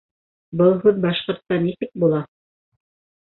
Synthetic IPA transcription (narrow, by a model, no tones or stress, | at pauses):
bɤlˠɦʉðbɑʃqŏɾt̪ːɑnisɘk̚bulˠɑ